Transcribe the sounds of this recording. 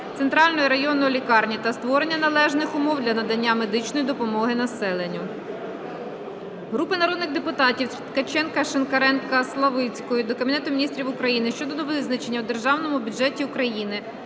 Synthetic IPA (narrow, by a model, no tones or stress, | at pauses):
t̪ent̪ɾɑlʲnɔjiɾɐjɔnɔlʲikɑrnʲit̪ɐst̪ʋɔɾe̞nʲːɐnɐlˠɛʒnɪxʊmɔwd̪lʲɐnɐd̪ɐnʲːame̞d̪ɪt͡ʃnɔjid̪ɔpɔmɔɦɪnɐsɛlˠenʲːʊ | ɦɾupɪnɐɾɔd̪nɪɣd̪epʊt̪ɑtʲiw̪t̪kɐt͡ʃɛnkɐʃenkɐɾɛnkɐslˠɐʋɪt͡sʲkɔjʊd̪ɔkɐbʲinɛt̪ʊmʲinʲist̪ɾʲiʋʊkɾɐjinɪʃt͡ʃɔd̪ɔd̪ɔʋɪznɐt͡ʃe̞nʲːɐwd̪e̞rʒɑwnɔmʊbʲʊdʒɛtʲiʊkɾɐjinɪ